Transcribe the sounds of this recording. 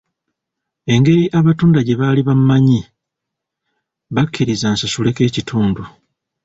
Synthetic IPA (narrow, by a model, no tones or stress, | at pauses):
e̞ŋɡe̞ɾiʔaβatuːndaɟe̞βaːliβammaɲi | βakʰːiɾizaːnsasule̞ke̞ːcitʰuːndu